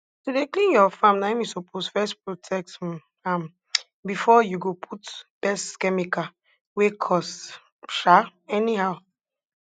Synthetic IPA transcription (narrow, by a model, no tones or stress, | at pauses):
todeklĩnjɔfãmnaɪmisopʰosfɛspɹotʰɛk̚t | ãm | bifɔjuɡopʰutb̥ɛstːkɛmika | wekʰɔs | ʃaɛnihaʊ